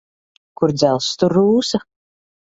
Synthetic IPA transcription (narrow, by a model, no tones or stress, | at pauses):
kuɾd̪zælˠst̪uɾːuːsa